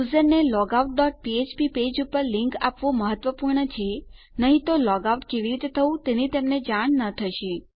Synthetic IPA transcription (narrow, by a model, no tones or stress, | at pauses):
uzəɾnelɔɡauʈ̚ɖɔʈ̚piet͡ʃpiped͡ʒupəɾliŋka̰pʋõməɦət̪ʋəpuɾɳət͡ʃʰe | nəɦĩt̪olɔɡauʈkeʋiɾit̪et̪ʰəʋũt̪enit̪emned͡ʒaɳ̃nət̪ʰəʃe